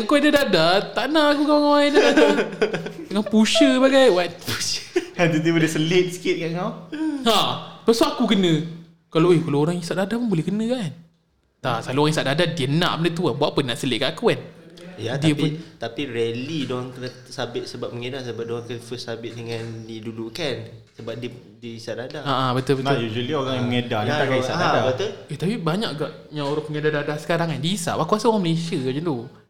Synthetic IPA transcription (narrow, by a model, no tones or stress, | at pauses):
ŋakudadadat̪aʔnaʔakukaŋadaa | dəŋanpuʃəbaɡajwat̪̚puad̪ut̪ebolesəlɪt̪̚sə̥kɪt̪̚kaʔŋawãpəsɔakukənə̃ | kalaejkalaoɾaŋisaʔdadapənbolɛhkənə̃kan | t̪asaluoɾaŋisaʔdadadiəna̰ʔpənət̪̬uanbuaʔpənːaʔsəleʔkaʔkuanadiəpnt̪apiɾelidɔaŋt̪ | sabɪʔ̪səbap̚məŋedasəbap̚doaŋkənfəsabɪʔ̪̚dəŋãndidulukansəbap̚di | diisaʔdadaaʔabət̪əbətjud͡ʒəlioɾaŋjaməŋedaniakaisaʔdadabət̪əet̪apibaɲaʔɡaʔɲãoɾaŋpəŋedadadasə̥kaɾaŋandiːsa̰ʔwakuasaoɾaŋməlesiəd͡ʒant̪u